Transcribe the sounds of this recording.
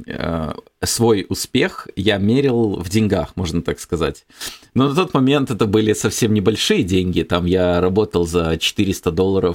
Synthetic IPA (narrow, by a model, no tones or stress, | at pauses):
ə̰ | svo̞jʊspʲe̞xjamʲeɾʲɪlˠvdʲɪnʲɡaxmo̞ʐnət̪akskɐza̰tʲ | nonɐt̪o̞t̪mɐmʲe̞nt̪ɛt̪əbɨlʲɪsɐfsʲe̞mnʲɪbɐlʲʂɨjədʲenʲɡʲɪt̪amjaɾɐbo̞t̪əlˠzət͡ɕɪ̥t̪ɨɾʲɪst̪əd̪o̞lˠːəɾəf